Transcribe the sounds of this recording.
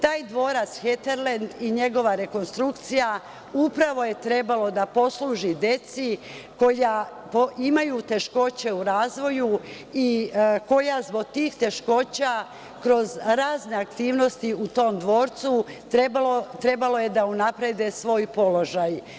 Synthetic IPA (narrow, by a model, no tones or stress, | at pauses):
t̪aːjd̪ʋo̞ːɾat̪sxet̪eɾlend̪iɲe̞ɡo̞ʋaɾe̞ko̞nst̪ɾukt̪sija | upɾaʋo̞je̞t̪ɾe̞balo̞d̪apo̞sluːʒid̪e̞t̪si | ko̞ja | poimajuːt̪e̞ʃko̞t͡ɕe̞uɾaːzʋo̞ju | iko̞jazbo̞ɡ̚t̪iːxt̪e̞ʃko̞ːt͡ɕa | kɾo̞zɾaːzne̞akt̪iːʋno̞st̪iut̪o̞ːmd̪ʋo̞ːɾt̪su | ebalot̪ɾe̞balo̞je̞d̪aunapɾed̪esʋo̞ːjpo̞lo̞ʒaj